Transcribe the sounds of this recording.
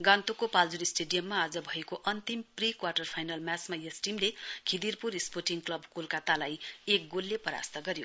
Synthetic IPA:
ɡant̪ukopald͡zuɾisʈeɖijʌmːaːd͡zʌbʱʌekoʔʌnt̪imprikwarʈʌrpʰajnalmjasmajʌsʈimlekʰid̪irpuɾisporʈiŋɡklʌbkolkat̪alajek̚ɡolːepʌɾa̰st̪ʌɡʌɾjo

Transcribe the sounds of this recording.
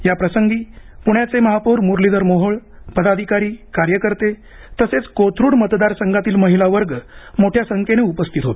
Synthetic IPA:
japɾəsəŋɡiːpuɳjat͡seməɦapuɾmuɾlid̪əɾmoɦəɭ | pəd̪ad̪ʱikaɾiːkaɾjəkəɾt̪e | t̪əset͡skot̪ʰɾuːɽmət̪d̪aɾsəŋɡat̪iːlməɦilaʋəɾɡmoʈʰjasəŋkeneupəst̪ʰit̪ɦot̪e̥

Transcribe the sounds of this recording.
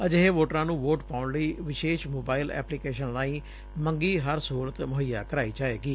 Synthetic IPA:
əd͡ʒeɦeːʋoːʈɾãːnũːʋoːʈpaːʊɳləiːʋɪʃeːʃmoːbaːɪlɛ̰ːplɪkeːʃənlaːĩː | məŋɡiːɦəɾsəuːɾət̪mʊɦəjaːkəɾaːiːd͡ʒaːeːɡiː

